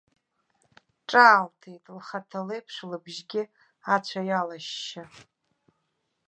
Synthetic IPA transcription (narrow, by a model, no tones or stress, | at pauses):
ʈ͡ʂʼaːltʰejtʼlχatʰalejpʰʂlɨbʒɡʲɪ | at͡ɕʷʰajalaʃːa